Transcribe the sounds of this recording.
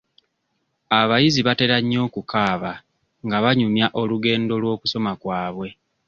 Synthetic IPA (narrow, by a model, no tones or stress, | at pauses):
aβajiziβate̞ɾaɲːo̞ːkukʰaːβa | ŋɡaβaɲumjaʔo̞luɡe̞ːndo̞lwo̞ːkuso̞makwaːβwe̞